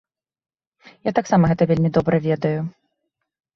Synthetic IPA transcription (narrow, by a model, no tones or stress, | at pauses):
jat̪aksamɐɣɛt̪ɐvʲelʲmʲid̪ɔbɾɐvʲɛd̪ɐju